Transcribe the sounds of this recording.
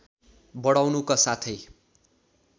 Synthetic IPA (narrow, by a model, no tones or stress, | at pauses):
bʌɽawnukasat̪ʰʌj